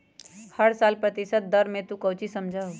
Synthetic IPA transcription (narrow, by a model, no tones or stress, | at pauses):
həɽsalpɾət̪isət̪̚d̪əɾmet̪ũkəwt͡ʃisəmd͡ʒʱaɦo